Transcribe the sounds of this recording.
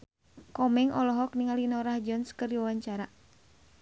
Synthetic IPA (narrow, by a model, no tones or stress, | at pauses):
kɔmɛŋʔɔlɔɦɔk̚niŋalinɔɾahd͡ʒɔnskɨrdiwawaɲt͡ʃaɾa